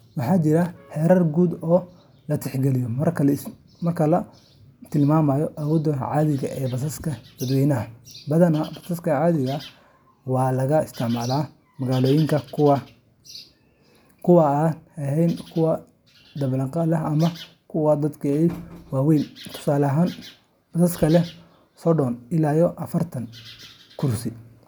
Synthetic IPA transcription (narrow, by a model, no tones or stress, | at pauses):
wɑħɑːt͡ʃɪɾɐħɛːɾɐrɡuːd̪ɔː | lɐt̪ʰɛħɡɛlɪjɔmɐrkʰ | mɐrkʰɐlɐ | t̪ʰɪlmaːmaːjɔʔawɔd̪ɐʕaːðɪɣɐ̰ʔɛːbɐsɐskʰɐd̪ɐd̪wɛjnɐɐbɐðɐnɐbɐsɐskʰɐʕaːðɪɣɐ | wɑːlɐɣɐɪst̪ʰɪʕmaːlaː | mɐɣaːlɔːjɪŋkʰɐ | kʰʊwɐaːnɐɦɛjnkʰʊwɐ | d̪ɐβlɐqɑlɐɐmɐ | kʰʊwɐd̪ɐd̪kʰɐɛjwɑːwɛjnt̪ʰʊ̥saːlɐɦaːn | bɐsɐskʰɐlɛ | sɔɖɔnɪlaːjɔʔɐfɐrt̪ʰɐŋ | kʰʊrsɪ